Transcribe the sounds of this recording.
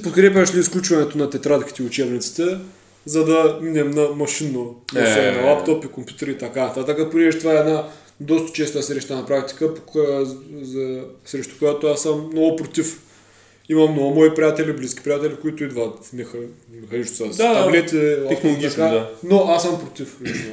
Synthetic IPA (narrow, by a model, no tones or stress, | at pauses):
pot̪kɾɛp̬ʲɐʃliːsklʲut͡ʃvɐnɛt̪onɐt̪ɛt̪ɾat̪kʲi̥t̪ɛiʊt͡ʃɛbnit̪si̥t̪ɛ | zɐd̪ɐminɛmnɐmɐʃinosɛnlˠapt̪opikompʲjut̪ɛɾit̪ɐkanɐt̪at̪əkəponɛʒɛt̪ovaɛɛd̪na | d̪ɔst̪ɐ̥t͡ʃɛst̪əsɾɛʃt̪anɐpɾak̚t̪i̥kəp | zɐsɾɛʃt̪o̥kojat̪oasːəmnɔɡʊpɾot̪if | imɐmnoɡʊmɔipɾʲijat̪ɛlibliskʲi̥pɾʲijat̪ɛlikoit̪ʊid̪vət̪mɛxmɛxɐnissasd̪alɛt̪ɛɡʲikanoʔasːəmpɾot̪iflit͡ʃno